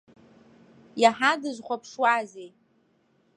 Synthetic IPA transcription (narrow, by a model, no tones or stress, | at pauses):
jaħadɨʒʷχʷapʰʂwazej